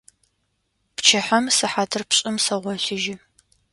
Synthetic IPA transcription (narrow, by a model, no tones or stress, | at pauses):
pt͡ʃʰɐħɐmsɨħaːtʰɨrpɕʼɪmsɐʁʷɔɕɪʒɪ